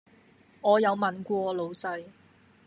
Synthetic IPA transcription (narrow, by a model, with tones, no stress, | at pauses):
ŋɔː˨˧jɐ˨˧wmɐ˨nkʷɔː˧˨˧lo˨˧wsɐ˧j